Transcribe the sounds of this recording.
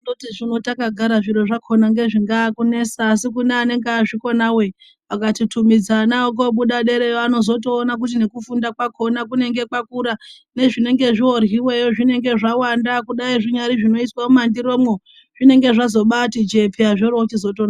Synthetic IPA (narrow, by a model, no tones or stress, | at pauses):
notiʐino̞takaɡʱaɾaʐiɾoʐakʰo̞naŋɡe̞ʐiŋɡaːkune̞saːs̬ikuneane̞ŋɡːʐiko̞nawe̞ | ʋakatitʰumid͡zanaok̬oɓuɗaɗe̞ɾe̞joano̞zo̞t̬o̞ːnak̬ut̬ine̞kufundakwakʰo̞nak̬une̞ŋɡe̞kwakuɾa | ne̞ʐine̞ŋɡe̞ʐiwo̞rɦiwe̞joʐine̞ŋɡe̞ʐawandakuɗaiʐiɲaɾiʐino̞iswaomandiɾo̞mwo | ʐine̞ŋɡe̞ʐazo̞ɓatid͡ʒe̞pʰiaʐoɾot͡ʃizo̞toːna